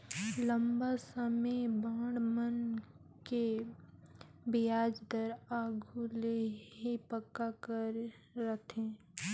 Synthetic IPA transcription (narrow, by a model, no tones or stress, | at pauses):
lə̃mbasəmebãːɽmən | ke | bɪjaːd͡ʒd̪əɾaːɡʱuleɦipəkːakəɾːət̪ʰẽː